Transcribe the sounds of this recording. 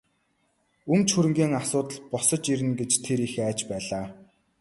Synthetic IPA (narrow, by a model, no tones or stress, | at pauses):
ɵmt͡ɕxɵɾɘ̆ŋɡʲiːŋasʊːt̪ə̆ɮpɔsə̆t͡ɕiɾɘ̆nɡet͡ɕt̪ʰeɾixæːt͡ɕpæːɮaː